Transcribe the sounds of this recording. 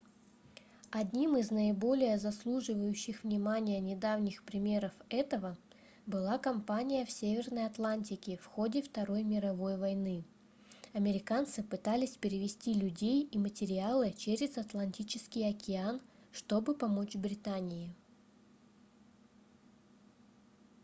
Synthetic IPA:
ɐdʲnʲimɨznəɪbo̞lʲɪjəzɐslˠuʐɨvəjʉɕːɪxvnʲɪmanʲɪjənʲɪd̪avnʲɪxpɾʲɪmʲe̞ɾəfɛt̪əvə | bɨlˠakɐmpanʲɪjəfsʲevʲɪrnəjɐt̪lˠanʲtʲɪkʲɪfxo̞dʲɪft̪ɐɾo̞jmʲɪɾɐvo̞jvɐjnɨ | ɐmʲɪɾʲɪkant̪sɨpɨt̪alʲɪsʲpʲɪɾʲɪvʲɪsʲtʲilʲʉdʲejimətʲɪɾʲɪalˠɨt͡ɕeɾʲɪzɐt̪lˠɐnʲtʲit͡ɕɪskʲɪjɐkʲɪanʂt̪o̞bɨpɐmo̞t͡ɕbɾʲɪt̪anʲɪjɪ

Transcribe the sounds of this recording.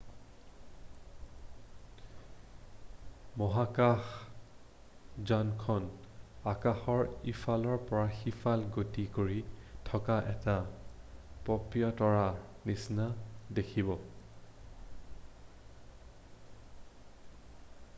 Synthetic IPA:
mɔɦakax | zankʰɔnakaxɔɹifʰalɔɹpɔɹaxifʰalɡotikoɹitʰɔkaʔɛta | pɔpɹijɔtɔɹanisnadekʰibɔ

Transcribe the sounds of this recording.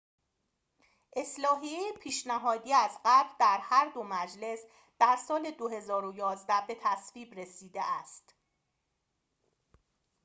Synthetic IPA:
ʔe̞slɒːɦiejepʰiːʃnæɦɒːd̪iːæzɢæɾɾd̪æɾhæɾd̪omæd͡ʒle̞s | d̪̥æɾsɒːle̞d̪oɦe̞zɒːɾojɒːzd̪æbe̞t̪ʰæsviːbɾe̞siːd̪eʔæst̪

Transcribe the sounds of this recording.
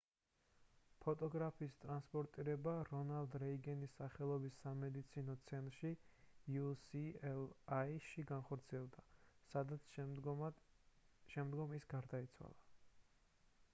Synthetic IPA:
pʰɔt̪ʼɔɡɾapʰiːst̪ʼɾanspʼɔɾt̪ʼiɾɛbaɾɔnald̪ɾɛiɡɛnisaχɛlˠɔbisːamɛd̪it̪sʰinɔt̪sʰɛnt̪ʼɾʃijusiɛlaiʃiɡanχɔɾt̪sʰiɛlˠd̪asad̪at̪s | ʃɛmd̪ɡɔmisɡaɾd̪ait̪sʰwa̰lˠa

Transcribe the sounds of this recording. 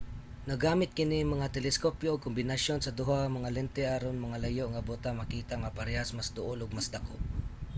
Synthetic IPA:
nɐɡaːmɪt̪̚kɪnɪmɐŋat̪ɛlɛskopjoːɡ̚kʊmbɪnasonsɐd̪ʊɦamɐŋalɛnt̪ɛʔaɾonmɐŋalajoʔŋabot̪amakiːt̪aŋapaɾɛhasmasd̪ʊʔolʊɡ̚masd̪ako̰ʔ

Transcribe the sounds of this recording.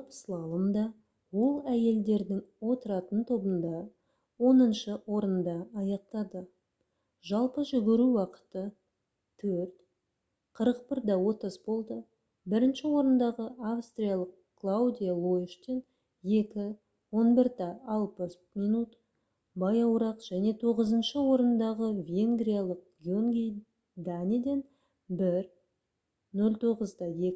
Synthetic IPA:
pə̥slˠɑlˠəmd̪ɑ | wo̞lˠæje̞ld̪e̞ɾd̪ɪŋwo̞t̪əɾɑt̪ənt̪ʰo̞bənd̪ɑ | wo̞nənʃəwo̞ɾənd̪ɑːjɑq̚t̪ɑd̪ə | ʒɑlˠpəʒʏɡʲɪɾuwɑqə̥t̪ə | t̪ʰɵɾt̪ | qʰəɾəq̚bɪɾd̪ɑwo̞t̪əsbo̞lˠd̪ə | bɪɾɪnʃɪwo̞ɾənd̪ɑʁəʔafst̪rijalˠəq̚ | klˠawd̪ʲijalˠoɪʃt̪en | je̞kʲɪ | wo̞nbɪɾd̪ɑːlˠpəs | mijnut̪ | bɑjɑwɾɑqʒ̥æne̞t̪ʰo̞ʁəzənʃəwo̞ɾənd̪ɑʁəvʲe̞ŋɡɾijalˠəq̚ɡʲioŋɡʲij | d̪anʲid̪e̞n | bɪɾ | nɵlʲt̪ʰo̞ʁəzd̪ɑje̞kʲɪ

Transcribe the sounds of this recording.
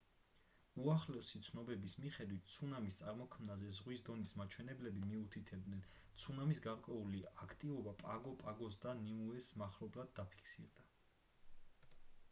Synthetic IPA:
uaχlɛsit̪sʰnɔbɛbismiχɛd̪wit̪̚ʰt̪sʰunamist̪sʼaɾmɔkʰmnazɛzʁwisd̪ɔnismat͡ʃʰwɛnɛblɛbimiut̪ʰit̪ʰɛb̚d̪nɛn | t̪sʰunamisɡaɾkʼwɛuliakʰt̪ʼivɔbapʼaɡɔpʼaɡɔs̬d̪aniuɛsmaχlɔblad̪̚ːapʰi̥kʰsiɾd̪a

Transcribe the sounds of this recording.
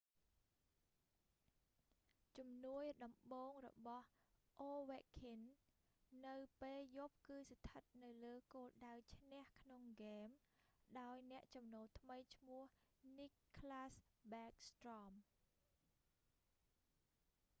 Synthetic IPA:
t͡ɕumnuəjɗɑmɓoːŋrɔ̰ɓɑh | ʔoːʋɛkʰinː | ɨwpeːljoːp̚kɨːst̪ʰət̪̚nɨwləːkoːlɗawt͡ɕʰnɛ̆əhkʰnoŋɡeːm | ɗaɔjnɛ̆əʔt͡ɕɑmnoːlt̪ʰməjt͡ɕʰmʊəhnikʰːlaːsɓɛːk̚st̪rɑm

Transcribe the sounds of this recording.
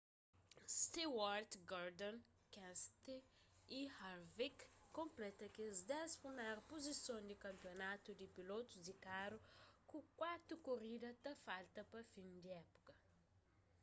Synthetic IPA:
st̪iwaɾt̪ɡaɾd̪õn | kɛ̃st̪e | ihaɾvikːõmplɛt̪ɐkezd̪ɛspɾimɛɾpozisõnd̪ikɐ̃mpjonat̪ud̪ipilot̪uzd̪ikaɾukũkwat̪ɾukoɾid̪ɐt̪ɐfalt̪ɐpɐfĩnd̪iɛpu̥kɐ

